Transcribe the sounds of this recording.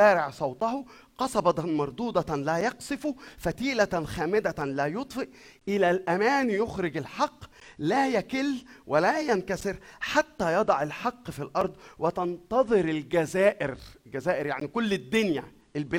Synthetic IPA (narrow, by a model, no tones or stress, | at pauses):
æːɾɪʕsˤɑwt̪ˤɑhʊ | qɑsˤɑbɑt̪mɑɾˤd̪uːd̪ˤɑlæːjɑqsɪfufæt̪iːlæt̪xæːmɪd̪ælæːjot̪ˤfeʔ | ʔɪlælʔæmæːnjʊxɾɪɡɪlħɑqː | læːjækɪlːwʔɪlæːjænkæsɪɾħat̪ːæːjɑd̪ˤɑʕɪlħɑqːfilʔɑɾˤd̪ˤwɪt̪ɑnt̪ɑðˤɨɾɪlɡæzæːʔɪɾɡæzæːʔɪɾjaʕnikʊlːɪd̪ːʊnjæ̰ | ʔɪlb